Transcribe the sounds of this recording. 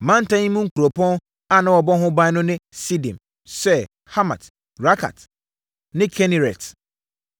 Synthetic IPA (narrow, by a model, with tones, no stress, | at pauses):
mã˦n̩˦tʰã˦ɲĩ˦mũ˦ŋ̩˦kʰu˨ɾo˨pʰɔ̃˦n | a˦˨nã˨wɔ˨bɔ˦ɦʊ̃˦bã˦nʊ̃˦nɪ̃˦si˦dĩ˨m | sɛ˦ | ha˦ma̰˨t | ɾa˦kʰa̰˨t | nɪ̃˦kʰɛ˦ni˨ɾɛ˨t